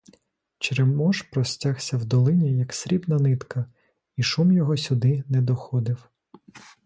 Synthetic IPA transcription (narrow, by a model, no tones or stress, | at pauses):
t͡ʃɾemɔʃpɾɔsʲtʲaxsʲɐwd̪ɔlˠɪnʲijɐksʲɾʲibnɐnɪt̪kɐ | iʃumjɔɦɔsʲʊd̪ɪnɛd̪ɔxɔd̪ɪw